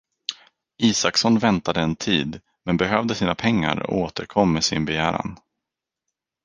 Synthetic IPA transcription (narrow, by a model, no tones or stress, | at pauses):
ʔiːsaksɔnːvɛnt̪ad̪əɛnt̪ʰiːd̪ | mɛnbɛɦœvd̪əsiːnapʰɛŋːa̰ɾɔ̰oːt̪ʰəɾkʰɔmːɛsɪnbɛjæːɾa̰n